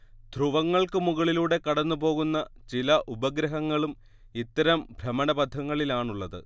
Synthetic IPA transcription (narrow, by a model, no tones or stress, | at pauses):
d̪ʱruʋɐŋːɐɭkɨmuɣɐɭiluːɽe̞kɐɽɐnːupo̞ːɣunːɐt͡ɕilɐʔubɐɡɾɐɦɐŋːɐɭum | it̪ːɐɾɐmbʱrɐmɐɳɐbɐd̪ʱːɐŋːɐɭilaːɳuɭːɐðɨ̰